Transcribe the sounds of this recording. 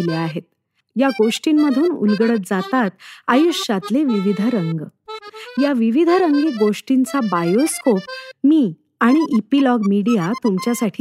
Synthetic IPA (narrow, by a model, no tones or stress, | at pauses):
leaɦet̪̚ | jaɡoʂʈimːəd̪ʱuːnṵlɡəɽət̪̚d͡zat̪at̪ajuɕat̪leʋiʋid̪ʱəɾəŋɡ | jaʋiʋid̪ʱəɾəŋɡiɡoʂʈint͡sabajoskop̚miː | aɽ̃iʔipilɔɡmiɽijat̪umt͡ɕjasaʈʰi